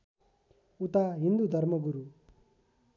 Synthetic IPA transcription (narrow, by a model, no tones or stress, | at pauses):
ut̪aɦind̪ud̪ʱʌrmʌɡuɾu